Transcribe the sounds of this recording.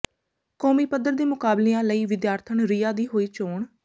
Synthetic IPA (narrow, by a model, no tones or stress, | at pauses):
koːmiːpəd̪əɾd̪iːmʊkaːbleːãːləiːʋɪd̪jaːɾt̪ʰəɳɾiːaːd̪iːɦoːiːt͡ʃoːɳ